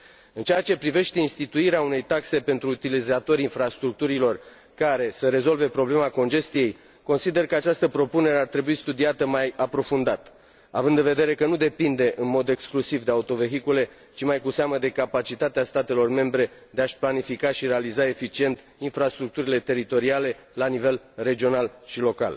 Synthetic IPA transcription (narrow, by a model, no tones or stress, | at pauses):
ɨnt͡ʃeat͡ʃe̞pɾive̞ʃt̪e̞inst̪it̪uiɾeaune̞jt̪akse̞pe̞nt̪ɾuːt̪ilizat̪o̞ɾinfɾast̪ɾuk̚t̪uɾilo̞r | kaɾe̞səɾe̞zo̞lve̞pɾo̞ble̞mako̞nd͡ʒe̞st̪ije̞j | ko̞nsid̪e̞rkəat͡ʃast̪əpɾo̞pune̞ɾeart̪ɾe̞buist̪ud̪iat̪əmajapɾo̞fund̪at̪ | a̰vɨnd̪ɨnve̞d̪e̞ɾe̞kənud̪e̞pind̪e̞ʔɨnmo̞d̪e̞ksklusivd̪e̞aut̪o̞ve̞ɦikule̞ | t͡ʃimajkuseaməd̪e̞kapat͡ʃit̪at̪east̪at̪e̞lo̞rme̞mbɾe̞d̪eaʃplanifikaʃiɾealizae̞fit͡ʃie̞nt̪ | infɾast̪ɾuk̚t̪uɾile̞t̪e̞ɾit̪o̞ɾiale̞lanive̞l | re̞d͡ʒio̞nalʃilo̞ka̰l